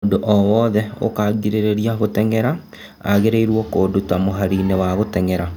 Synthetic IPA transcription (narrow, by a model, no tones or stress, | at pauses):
ndoʔɔwɔːðɛo̰kaɡiɾeɾeɾiaɣotɛŋɛɾa | a̰ɣeɾeiɾwɔkoːdutamoɦaɾinewaɣotɛŋɛɾa